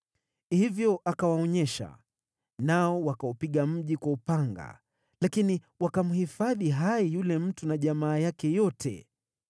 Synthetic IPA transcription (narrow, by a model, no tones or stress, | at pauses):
hivjɔʔakawaɔɲɛʃa̰ | naɔwakaɔpiɠam̩ʄikwaupaŋɡa̰ | lakini | wakam̩hifaðiɦaijulɛm̩tunaʄamaːjakɛjɔtʰɛ̰